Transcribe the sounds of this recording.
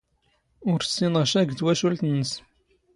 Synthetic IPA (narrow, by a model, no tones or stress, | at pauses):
ʊɾsːinəʁʃæɡd̪wæʃult̪ənːəs